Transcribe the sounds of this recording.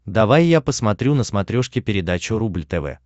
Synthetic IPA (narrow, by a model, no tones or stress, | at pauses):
d̪ɐvajːapəsmɐt̪ɾʲunəsmɐt̪ɾʲoʂkʲɪpʲɪɾʲɪd̪at͡ɕʊɾublʲt̪ɛvɛ̰